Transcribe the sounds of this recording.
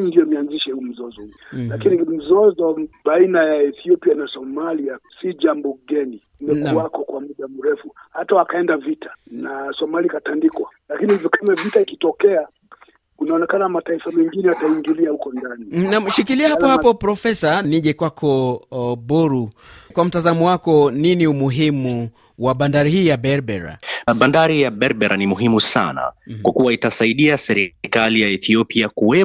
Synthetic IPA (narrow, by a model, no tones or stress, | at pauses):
ndijɔnianziʃɛhuːm̩zɔzɔlakinim̩zɔzɔbainajaɛθiɔpianasɔmaliasiʄambɔɡɛni | mɛnkuwakɔkwamuɗamuɾɛfuhatawakaɛndavitḁnasɔmaliakatandikwalakinihivjɔkamavitaikitɔkɛa | unaɔnɛkanamataifamɛŋɡinɛataiŋɡiliahukɔndaninaʃikiliɛhapɔhapɔpɾɔfɛsaniʄɛkwakʰɔbɔɾu | kwam̩tazamɔwakɔniniumuɦimu | waɓandaɾihiːjaɓɛɾbɛɾa̰ɓandaɾijaɓɛɾɓɛɾʔanimuɦimusa̰na̰kwakuwaitasaiɗiasɛɾikalijaɛθiɔpiakuwɛ